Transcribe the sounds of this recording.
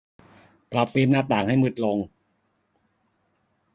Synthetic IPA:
pɾa˨˦˩p̚fiː˧mnaː˧˥˩t̪aː˨˩ŋha˥˩jmɯ˦˥˩t̪̚lo˧ŋ

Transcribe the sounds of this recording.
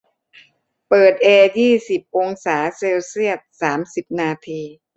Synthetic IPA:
pɤː˨˩t̪̚ʔeː˧jiː˥˩si˨˩p̚ʔo˧ŋsaː˩˦seː˧wsi˥˩ət̪̚saː˩˦msi˨˩p̚naː˧t̪ʰiː˧

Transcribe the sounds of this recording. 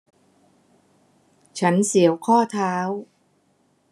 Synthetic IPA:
t͡ɕʰa˦˥nsi˩˦əwkʰɔː˥˩t̪ʰaː˦˥w

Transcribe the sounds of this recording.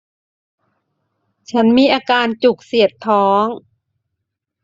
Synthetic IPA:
t͡ɕʰa˦˥nmiː˧˥˨ʔaː˧kaː˧nt͡ɕu˨˩k̚si˨˩ət̪ʰːɔː˦˥ŋ

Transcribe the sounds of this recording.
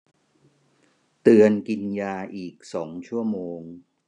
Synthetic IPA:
t̪ɯ˧ənki˧njaː˧ʔiː˨˩k̚sɔː˩˦ŋt͡ɕʰu˥˩əmoː˧ŋ

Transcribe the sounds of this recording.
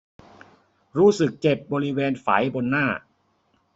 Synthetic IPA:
ɾuː˦˥sɯ˨˩k̚t͡ɕe˨˩p̚bɔː˧ɾi˦weː˧nfa̰˩˦jbo˧nːaː˥˩

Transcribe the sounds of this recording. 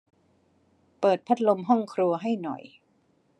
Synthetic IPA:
pɤː˨˩t̪̚pʰa˦˥t̪̚lo˧mɦɔ˥˩ŋkʰɾu˧ɐɦa˥˩jnɔ̰˨˩j

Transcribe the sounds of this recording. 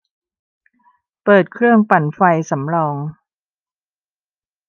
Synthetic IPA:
pɤː˨˩t̪̚kʰɾɯ˥˩əŋpa˨˩nfa˧jsa˩˦mɾɔː˧ŋ

